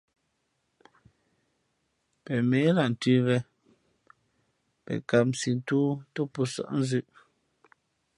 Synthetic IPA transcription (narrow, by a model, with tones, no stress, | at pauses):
pɛ˨me˨˦la˨n̩˨tʉ˦βɛ˦ | pɛ̰˨ka˨pm̩si˨n˦tuː˦to˦pu˨sɔ̰˦˨ʔn̩˦zʉ˦ʔ